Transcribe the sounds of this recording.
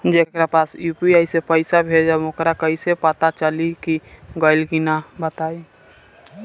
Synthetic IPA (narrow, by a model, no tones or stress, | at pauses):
d͡ʒekɾapaːsjupiaisepəɪsabʱed͡ʒaʊkɾakəisepət̪at͡ʃəlikiɡəɪlkinabət̪aːi